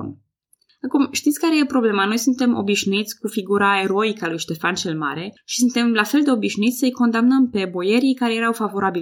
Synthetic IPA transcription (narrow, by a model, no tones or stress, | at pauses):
n | akumʃt̪it̪sʲkaɾe̞jepɾo̞ble̞mano̞jsunt̪e̞mʔo̞̰biʃnuit̪sʲkufiɡuɾae̞ɾo̞ikalujʃt̪e̞fant͡ʃelma̰ɾe̞ʃi̥sunt̪e̞mlafe̞ld̪e̞o̞biʃnuit̪sʲsəjko̞nd̪amnəmpe̞bo̞je̞ɾijkaɾe̞je̞ɾawfavo̞ɾabil